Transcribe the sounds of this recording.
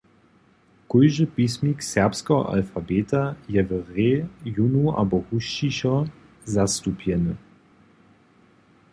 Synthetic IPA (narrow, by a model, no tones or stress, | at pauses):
kujʒəpismiksɛʁpskəɦɔ̰ʔa̰lfabeːt̪ajɛvəʁejunuʔa̰bɔhuʃt͡ʃiɕɔ | zast̪upʰjɛnə